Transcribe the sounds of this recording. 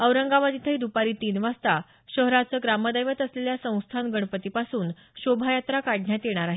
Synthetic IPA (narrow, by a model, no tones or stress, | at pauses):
əwɾəŋɡaʋad̪it̪ʰəid̪upaɾiːt̪iːnʋast̪a | ɕəɦɾat͡səɡɾaməd̪əjʋət̪əsleljasə̃w̃st̪ʰanɡəɽ̃pət̪ipasuːn | ɕobʱajat̪ɾakaɽɳjat̪jeɽ̃aɾaɦi